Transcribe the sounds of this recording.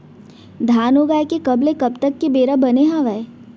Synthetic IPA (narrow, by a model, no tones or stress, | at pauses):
d̪ʱaːnoːɡaːjkekɐblekɐbt̪əkːebeːɾabɐneɦãʋɛ